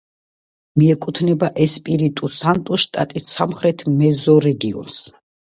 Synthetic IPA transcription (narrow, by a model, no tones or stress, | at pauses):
miɛkʼut̪ʰnɛbaʔɛspʼiɾit̪ʼusant̪ʼuʃt̪ʼa̰t̪ʼisːamχɾɛt̪ʰmɛzɔɾɛɡiɔ̰ns